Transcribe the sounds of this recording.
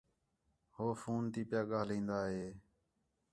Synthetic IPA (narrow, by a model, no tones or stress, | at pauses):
hoːfuːnt̪iːpɪjaːɠaːlĩːnd̪aːɦeː